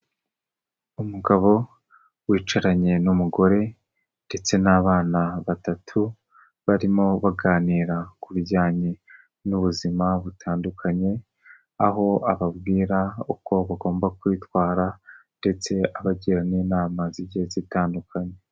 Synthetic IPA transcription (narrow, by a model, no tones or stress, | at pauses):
umuɡaβo̞ | wiːt͡ʃaɾaɲe̞numuɡo̞ɾe̞ | nde̞t͡se̞naβaːnaβatatʰu | βaɾimo̞βaɡaːniːɾakuβiɾɟaːɲe̞ | nuβuzimaβutʰaːndukʰaɲe̞ | aɦo̞aβabɡiːɾauko̞βaɡo̞ːmbakwiːtwaːɾande̞t͡se̞aβaɟiɾaniːnaːmaziɟezitaːndukʰaɲe̞